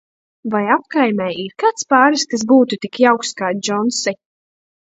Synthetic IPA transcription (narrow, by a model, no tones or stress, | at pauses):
vajap̚kajmʲɛjiɾkat̪spaːɾiskas̬buːt̪ut̪ikjawkskaːd͡ʒɔnsi